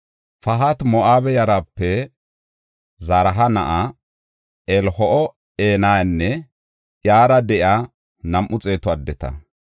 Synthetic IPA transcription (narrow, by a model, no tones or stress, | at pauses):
fɐɦɐt̪mɔʔaːbɛjɐɾapːɛ | zɐɾɐɦɐnɐ̰ʔa | ɛlhɔʔɔ | eːnaːnːɛ | jaːɾɐd̪ɛʔja | nɐmʔʊt͡sʼe̞ːt̪ɔɐd̪ːɛt̪ɐ̰